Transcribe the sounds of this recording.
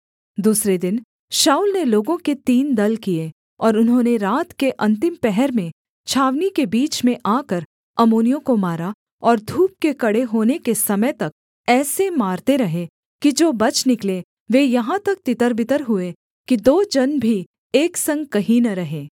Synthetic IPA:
d̪uːsɾed̪ɪn | ʃaːulneloːɡõket̪iːnd̪ɐlkie | ɔːɾʊnɦõːneɾaːt̪keʔɐ̃nt̪ɪmpɛɦɛɾmẽ | t͡ʃʰaːʋnikebiːt͡ʃmẽʔaːkəɾ | ɐmoːnijõkomaːɾa | ɔːɾd̪ʱuːp̚kekɐɽeɦoːnekesɐməjt̪ɐk̚ | ɛːsemaːɾt̪eɾɐɦe | kid͡ʒoːbɐt͡ʃnɪkle | ʋejɐɦãt̪ɐk̚t̪ɪt̪əɾbɪt̪əɾɦʊe | kid̪oːd͡ʒɐnbʱi | eːksɐ̃ŋɡ̚kɐɦinɐɾɐɦẽː

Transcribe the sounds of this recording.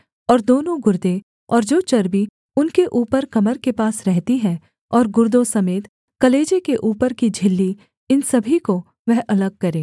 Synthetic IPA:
ɔːɾd̪oːnõɡʊɾd̪ẽ | ɔːɾd͡ʒoːt͡ʃɐɾbi | ʊnkeʔuːpəɾkɐməɾkepaːsɾɛɦt̪iɦɛ̃ | ɔːɾɡʊɾd̪õsɐmeːt̪ | kɐleːd͡ʒekeʔuːpəɾkid͡ʒʱɪlːi | ɪnsɐbʱiko | ʋɛɦʔɐləɡ̚kɐɾẽː

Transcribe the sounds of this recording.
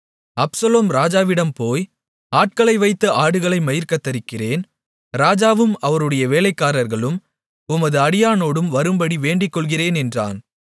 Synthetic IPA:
ɐpsɐloːmɾaːd͡ʒaːʋɪɽɐmpoːj | aːʈ̚kɐɭɐɪʋɐɪt̪ːɐʔaːɽɯɣɐɭɐɪmɐjɪɾkɐt̪ːɐɾɪkːɪreːn | ɾaːd͡ʒaːʋɯmɐʋɐɾɯɽɐjɐʋeːlɐɪkːaːɾɐɾɣɐɭɯm | ʊmɐðɯɐɽɪjaːnoːɽɯmʋɐɾɯmbɐɽiʋeːɳɖɪkːɔɭɣɪreːnɛndra̰ːn

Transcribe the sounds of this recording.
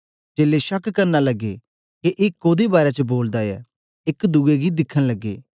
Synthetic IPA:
t͡ʃeːleʃəkkəɾnalɐɡːḛː | keʔɪkːoːd̪ebaːɾat͡ʃəboːld̪ajɛ̰ː | ɪkd̪uːeɡid̪ɪkʰːənləɡːḛː

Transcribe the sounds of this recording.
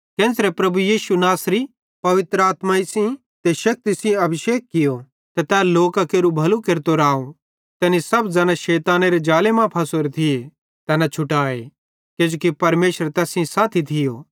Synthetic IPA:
kɛ̃ːsɾepɾɐbujiːʃunaːsɾi | pɐʋɪt̪ɾəaːt̪maɪsĩ | t̪eʃɐk̚t̪isĩɐbʱɪʃeːkːɪjo | t̪ɐt̪ɛːloːkakeːɾubʱɐlukeɾt̪oɾaːo | t̪ɛːnisɐbd͡zaːnaʃɛːt̪aːneɾed͡ʒaːlemãpʰɐsoɾet̪ʰɪe | t̪ɛːnat͡ʃʰʊʈaːḛ | ked͡ʒoːkipɐɾmeːʃəɾt̪ɛːsĩsaːt̪ʰit̪ʰɪjo̰ː

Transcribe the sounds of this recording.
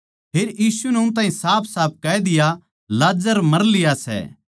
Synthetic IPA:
pʰeːɾjiːsunɛʊ̃nt̪̬ãːɦĩsaːpʰsaːp̚ʰkɐɛd̪ɪja | laːd͡ʒəɾmɐɾlɪjasɛ̰

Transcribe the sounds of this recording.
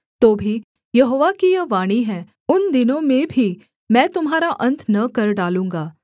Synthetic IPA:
t̪oːbʱi | jɐɦoːʋakijɐʋaːɽ̃iɦɛ̃ː | ʊnd̪ɪnõmẽbʱi | mɛ̃ːt̪ʊmɦaːɾaʔɐ̃nt̪ʰnɐkɐɾɖaːlũːŋɡaː

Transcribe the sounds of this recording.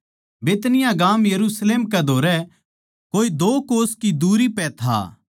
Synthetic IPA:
beːt̪nɪjãɡaːmjɐɾusleːmkɛd̪ʱoːɾɛ | koːid̪oːkoːskid̪uːɾipɛt̪ʰa̰ː

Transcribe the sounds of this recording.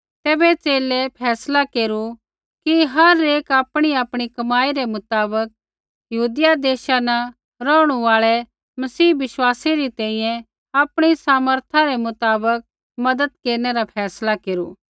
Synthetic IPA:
t̪ɛːbɛt͡ʃeːlɛpʰɛːslakeːɾu | kiɦɐɾeːkaːpɽ̃iaːpɽ̃ikɐmaːiɾɛmʊt̪aːbək̚ | jɐɦuːd̪ɪjad̪eːʃanɐ | ɾɔːʊɽ̃uaːɭɛ | mɐsiːʋɪʃwaːseɾit̪ɛ̃ːĩjɛ̃ | aːpɽ̃isaːməɾt̪ʰaɾɛmʊt̪aːbək̚ | mɐd̪əd̪̚keːɾnɛɾapʰɛːslakeːɾṵː

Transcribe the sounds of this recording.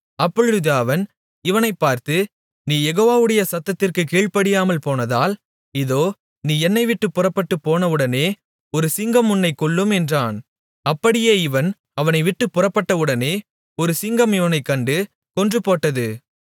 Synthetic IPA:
ɐpːɔɻɯðaːʋɐn | ɪʋɐnɐɪpːaːɾt̪ɯ | niːjɛɣoːʋaːʋɯɽɐjɐsɐt̪ːɐt̪ːɪrkɯkiːɭpɐɽɪjaːmɐlpoːnɐðaːl | ɪðoː | niːɛnːɐɪʋɪʈːɯpːʊrɐpːɐʈːɯpːoːnɐʋɯɽɐneː | ɔɾɯsɪŋɡɐmʊnːɐɪkɔɭːɯmɛndraːn | ɐpːɐɽɪjeːɪʋɐn | ɐʋɐnɐɪʋɪʈːɯpːʊrɐpːɐʈːɐʋɯɽɐneː | ɔɾɯsɪŋɡɐmɪʋɐnɐɪkːɐɳɖɯ | kɔndrɯpoːʈːɐðɯ

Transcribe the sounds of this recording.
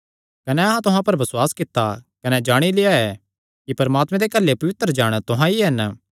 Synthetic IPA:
kɐneɐɦãt̪ʊɦãpɐɾbɐswaːskɪt̪ːakɐned͡ʒaːɽ̃ilɪaɛ | kipɐɾmaːt̪mɛ̃d̪ekɐlːepɐʋɪt̪ɾəd͡ʒaːɽ̃t̪ʊɦãiɦɛn

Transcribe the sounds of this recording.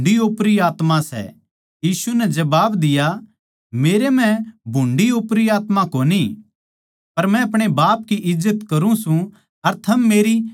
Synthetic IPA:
ɖioːpɾiaːt̪mãsɛ̰ | jiːsunɛd͡ʒɐbaːbd̪ɪja | meːɾemɛ̃bʱʊ̃ɳɖioːpɾiaːt̪makoːni | pɐɾmɛ̃ɐp̬ɽ̃ebaːp̚kiʔɪzːət̪kɐɾũsũ | ɐɾt̪ʰɐmːeːɾi

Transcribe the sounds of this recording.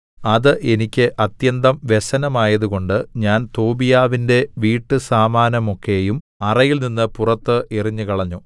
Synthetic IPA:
ɐðɨʔe̞nikʲːɨʔɐt̪jɐnd̪ɐmʋe̞sɐnɐmaːjɐðuɣo̞ɳɖɨɲaːnt̪oːbijaːʋinde̞ʋiːʈːɨsaːmaːnɐmo̞kːejum | ɐrɐjilninːɨpurɐt̪ːɨʔiriɲːɨkɐɭɐɲːoː

